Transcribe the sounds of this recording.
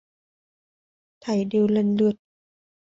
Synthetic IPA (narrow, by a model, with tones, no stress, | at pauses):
t̪ʰa˨˩jdi˧wle˧˨nlɯ˧˩ət̪̚